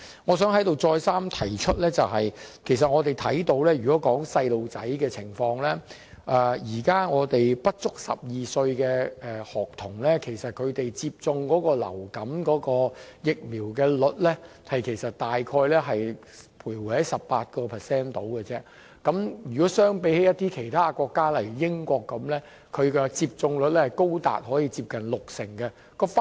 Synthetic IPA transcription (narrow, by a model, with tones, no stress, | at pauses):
ŋɔː˨˧sœː˨˥ŋhɐ˨˥jt̪o˨˧wt͡sɔː˧jsaː˥mt̪ʰɐ˨˩jt͡ʃʰɵ˥t̚lɛː˥t͡sɐ˨wɦɐ˨jkʰe˨˩js̬ɐ˨t̚ŋɔː˨˧t̪e˨˩jt̪ʰɐ˨˥jt̪o˨˥wlɛː˥jyː˨˩kɔː˨˥kɔː˨˥ŋsɐ˧jlo˨wt͡sɐ˨˥jkɛː˧t͡sʰɪ˨˩ŋfɔː˧ŋlɛː˥ | ʔɛː˨˩jiː˨˩kaː˥ŋɔː˨˧t̪e˨jpɐ˥t̚t͡sʊ˥k̚sɐ̰˨p̚jiː˨sɵ˧ɥkɛː˧ɛ˨hɔː˨k̚t̪ʰʊ˨˩ŋlɛː˥kʰe˨˩jsɐ˨t̚kʰɵ˨˧t̪e˨jt͡siː˧p̚t͡sʊ˧ŋkɔː˨˥kɔː˧lɐ̰˨˩wkɐ˨˥mkɔː˨˥kɔː˧jɪ˨k̚miː˨˩wkɛː˧lɵ˨˥t̚lɛː˥hɐ˨jkʰe˨˩jsɐ˨t̚t̪aː˨jkʰɔː˧jlɛː˥ɦɐ˨j | pʰuː˨˩jwu˨˩hɐ˨˥jsɐ˨pːaː˧t̚kɔː˧pʰɛ˨˩sɛː˥nt̪o˨˥wkɛ˧t͡sɛː˥ | kɐ˨˥mjyː˨˩kɔː˨˥sœː˥ŋpe˨˥jhe˨˥jɐ˥t̚t̪iː˥kʰe˨˩jt̪ʰaː˥˧kɔː˧kːaː˥lɐ˨˩jjɪ˥ŋkʷɔː˧kːɐ˨˥mlɛː˥ | kʰɵ˨˧ɥkɛ˧t͡siː˧p̚t͡sʊ˧ŋlɵ˨˥t̚lɛ˥hɐ˨˩jko˥wt̪a̰ː˨t̚hɔː˨˥jiː˧t͡siː˧p̚kɐ˨nlʊ˨k̚sɪ˨˩ŋkɛ˧ | kɔː˧f